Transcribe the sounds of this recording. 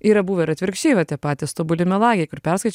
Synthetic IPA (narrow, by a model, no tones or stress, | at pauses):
iːɾɐbuːʋɐɪɾɐt̪ʲʋʲɪɾʲkʃʲt͡ʃʲeːɪʋɐt̪ʲiɛpɑːt̪ʲɪst̪oːbʊlʲɪmʲɛlˠɑːɡʲɪjkʊɾpʲɛɾskɐɪt͡ʃ